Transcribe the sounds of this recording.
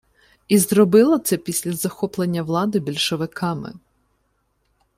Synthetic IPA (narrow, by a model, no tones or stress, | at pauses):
izɾɔbɪlˠɔt̪sɛpʲisʲlʲɐzɐxɔplˠenʲːɐʋlˠɑd̪ɪbʲilʲʃɔʋɪkɑmɪ̰